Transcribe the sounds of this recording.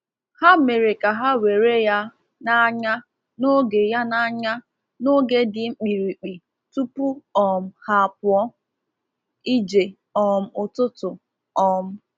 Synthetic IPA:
ha˦me˨ɾe˨ka˨ɦa˦we˨ɾe˦ja˦ | na˦ɲa˦ | no˦ɡe˨ja˦na˦ɲa˦ | no˦ɡe˦dɪ˨ŋ͡m̩˦k͡pi˨ɾi˨k͡pi˨ | tu˦pu˦ɔ˨m̩˦ha˦˨pʊ˨ɔ˦ | i˦d͡ʒe˨ | ɔ˨m̩˦ʊ˨tʊ˦tʊ˨ | ɔ˨m̩˦

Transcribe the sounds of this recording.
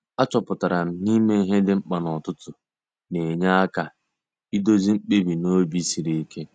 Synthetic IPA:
a˦t͡ʃɔ˨pʊ˨ta˨ɾa˨m̩˨ni˦me˦i˦ɦe˦dɪ˦ŋ͡m̩˦k͡pa˨nɔ˨tʊ˦tʊ˨ | ne˨ɲa˦ka˨ | i˦do˦zi˦ŋ͡m̩˦k͡pe˦bi˨no˦bi˦si˨ɾi˨i˦ke˦

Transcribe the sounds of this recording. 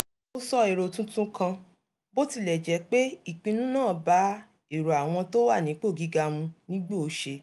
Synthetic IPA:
o˦sɔ˦e˨ɾo˨tũ˦tũ˦kã˧ | bo˦ti˦˧˨lɛ˨d͡ʒɛ˨˦k͡pe˦i˦˨k͡pĩ˧nũ˦nãː˦˨ba˨˦ | e˦˨ɾo˨a˨w̃ɔ̃˧to˦wa˦˨nĩ˨˦k͡po˦˨ɡi˨˦ɡa˧mũ˧nĩ˦ɡ͡be˦o˧ʃe˧

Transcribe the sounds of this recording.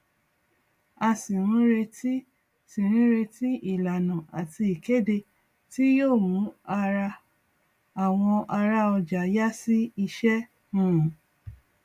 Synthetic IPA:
a˧sĩ˨ɾ̃ĩ˦ɾe˧ti˦ | sĩ˨ɾ̃ĩ˦ɾe˧ti˦ʔi˦˨la˨nã˨a˨tʰi˧i˨ke˦de˧ | ti˦joː˦˨mũ˨˦a˧ɾa˧ | a˨w̃ɔ̃˧ʔa˧ɾa˦ɔ˧d͡ʒa˨ja˦si˦i˧ʃɛ˦ | nũ˦˨

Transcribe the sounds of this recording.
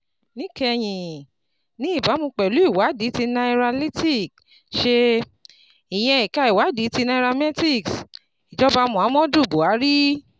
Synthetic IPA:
nĩ˦kɛ˧j̃ĩ˨ | nĩ˨˦i˦˨ba˨˦mũ˧k͡pɛ˨lu˨˦i˦˨wa˨˦di˨˦ti˧nã˧i˧ɾa˧li˦ti˦˨k̚ | ʃe˧ | i˨j̃ɛ̃˧i˨ka˧˦i˨wa˨˦di˨˦ti˧nã˧ɾa˧mɛ˦ti˦˨ks | i˨d͡ʒɔ˦ba˧mũ˨a˨˦mɔ̃˦du˦˨bo˨a˨˦ɾi˦

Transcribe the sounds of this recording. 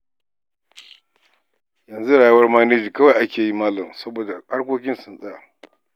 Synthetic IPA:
jɐ˨nzu˦ɽaː˨jɐ˦wɐ˦rmaː˦neː˦d͡ʒiː˨kɐ˦wa˨ʔa˦kʲeː˨ji˦maː˦lɐ˨msɐ˦boː˨da˨ha˦ɽkʷoː˦kʲɪ˦nsɪ˨nsʼɐ˦jaː˨

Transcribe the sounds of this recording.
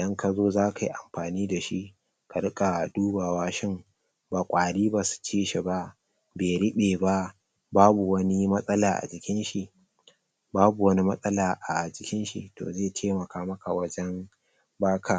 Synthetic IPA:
ʔɪ˨dɐ˦ŋka˨zoː˦zaː˦ka˨ji˦ʔa̰˨mɸaː˨niː˦da˨ʃi˦ʔ | ka˨ɽʊ˦kʼa˨duː˦baː˨waː˦ʃɪ˦ŋ | baː˨kʷʼaː˨ɽiː˦baː˨su̥˨t͡ʃiː˦ʃe˨ba˦ʔ | beː˨ɽɪ˦ɓeː˨ba˦ʔ | baː˦bu˨wɐ˦ni˦mɐ˦sʼɐ˦laː˨ʔa̰˨d͡ʒɪ˨kʲɪ˦nʃi˨ʔ | baː˦bu˨wɐ˦ni˦mɐ˦sʼɐ˦laː˨ʔa˨d͡ʒɪ˨kʲɪ˦nʃḭ˨to̰ː˨zeː˦˨tʰeː˦mɐ˨kaː˦mɐ˦ka˨wɐ˦d͡ʒɛ˦m | baː˦kʰaː˨

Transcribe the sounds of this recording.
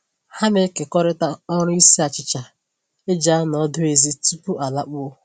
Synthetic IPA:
ha˦me˦ke˨kɔ˦ɾɪ˦ta˦ɔ˦ɾʊ˦i˦si˦a˨t͡ʃɪ˨t͡ʃa˨ | e˦d͡ʒa˦nɔ˦dʊ˦e˨zi˦tu˦pʊ˦ʔa˨la˦k͡pʊ˦o˦

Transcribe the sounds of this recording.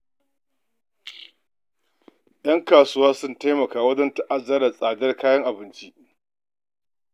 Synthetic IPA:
j̰ɐ˦ŋkaː˨sʊ˦waː˦sʊ˦nta˦jmɐ˨kaː˨wɐ˦d͡ʒɐ˦nta˦ʔa˦zɐ˦ɾa˨sʼaː˨dɐ˦rkaː˦jɐ˦ŋʔa˨bɪ˦nt͡ʃi˦ʔ

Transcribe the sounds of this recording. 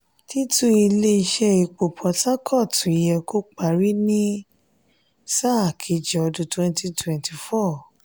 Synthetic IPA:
ti˦tũ˦i˧le˦i˧ʃɛ˦i˧k͡po˨pʰɔ˧˦ta˦kʰɔ˦˨tʰũ˨i˨jɛ˧ko˦k͡pa˧˨ɾi˦nĩ˦ | sa˦˨kʰi˧d͡ʒɔ˨˧dũ˨˧twɛ̃˧nti˧twɛ̃˨nti˧˨fɔ˦˨

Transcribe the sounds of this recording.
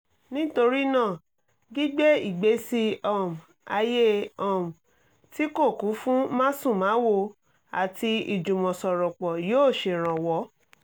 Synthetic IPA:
nĩ˦to˧ɾi˦nãː˦˨ | ɡi˦ɡ͡be˦i˦˨ɡ͡be˨˦si˧ɔ˦˨m̩˨ | a˧je˦ɔ˦˨m̩˨ | ti˦ko˦˨ku˨˦fũ˦mã˦sũ˦˨mãː˨˦wo˧ | a˨ti˧ḭ˨d͡ʒũ˨mɔ̃˨sɔ˨ɾɔ˨k͡pɔ˨joː˦˨ʃe˨ɾ̃ã˨wɔ˨˦

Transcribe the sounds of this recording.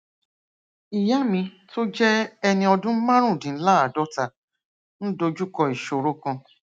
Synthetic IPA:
i˨ja˦mĩ˧to˦d͡ʒɛ˦ɛ˧nĩ˧ɔ˧dũ˦mã˦ɾ̃ũ˦˨dĩ˨˦la˦a˨dɔ˦ta˨ | ñ̩˦do˧d͡ʒu˦kɔ˧i˨ʃo˨ɾo˦kã˧

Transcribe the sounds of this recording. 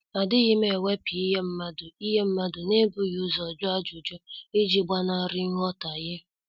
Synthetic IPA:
a˨dɪ˦ɣɪ˦me˨we˦pi˨i˦ɦe˦m̩˦ma˦dʊ˨i˦ɦe˦m̩˦ma˦dʊ˨ne˦bu˦ju˦zɔ˨d͡ʒʊ˦a˦d͡ʒʊ˨d͡ʒɔ˦e˦d͡ʒi˦ɡ͡ba˦na˦˨ɾɪ˦ŋ˦ɔ˦ta˨jɪ˦

